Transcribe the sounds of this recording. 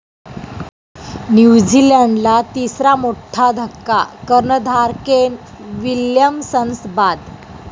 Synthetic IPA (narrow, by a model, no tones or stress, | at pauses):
njud͡ʑilaɳɖlat̪isɾamoʈʰːad̪ʱəkːakəɾɳəd̪ʱaɾken | ʋiljəmsənsbad̪